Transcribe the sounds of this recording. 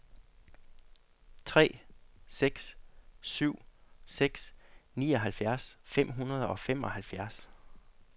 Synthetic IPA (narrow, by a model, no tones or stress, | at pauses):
t͡sʰʁɛ̰ːseɡ̥ssyʊ̰seɡ̥snḭːɒ̽ɦælfjæɐsfem̰ɦunɐð̞ˠɒ̽fem̰ɒ̽hælfjæɐs